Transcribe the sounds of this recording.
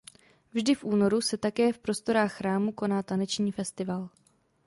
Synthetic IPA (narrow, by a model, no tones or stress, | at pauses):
vʒdɪfʔuːno̞ɾusɛt̪akɛːfpɾo̞st̪o̞ɾaːxːɾaːmuko̞naːt̪anɛt͡ʃɲiːfɛst̪ɪval